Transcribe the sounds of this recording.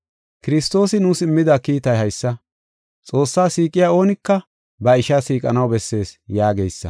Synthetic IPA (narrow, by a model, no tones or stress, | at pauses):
kɪɾɪst̪o̞ːsɪnuːsɪmːɪd̪ɐkiːt̪ɐjɦɐjsːɐ | t͡sʼo̞ːsːaːsiːkʼɪjaːo̞ːnɪkːɐ | bɐɪʃasiːkʼɐnɐwbɛsːe̞ːsjaːɡejsːɐ̰